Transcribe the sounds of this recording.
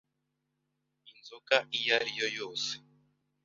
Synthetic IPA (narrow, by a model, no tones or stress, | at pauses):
inzukaʔijaɾijo̞jo̞ːse̥